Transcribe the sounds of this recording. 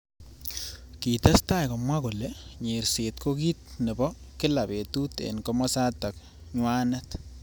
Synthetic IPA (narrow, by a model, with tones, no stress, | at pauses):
ki˨t̪a˦sta˦jko˨mwa˦kʊ˨le˨ɲe˨ɾse˨t̪kʰo˦ki˦t̪̚nɛ˨bɔ˦ | kɪ˦la˨pe˨tu˦tḛ˨nko˦mɔ˦sa˦ta˨k̚ | ɲwa˦na˦t